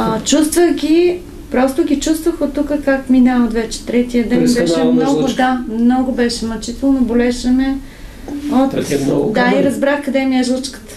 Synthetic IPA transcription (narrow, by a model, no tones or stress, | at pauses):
ət͡ʃust̪vəɣɡʲi | pɾɔst̪oɡʲit͡ʃust̪vəxot̪ukəkakminaod̪vɛt͡ʃɛ̥t̪ɾɛt̪iəd̪ɛnbɛʃɛmnɔɡod̪amnɔɡʊbɛʃɛmɐt͡ʃit̪ɛlˠnobolɛʃɛnɛ | ot̪d̪aiɾɐzbɾaxkɐd̪ɛmiɛʒlˠt͡ʃkə̥t̪ə̥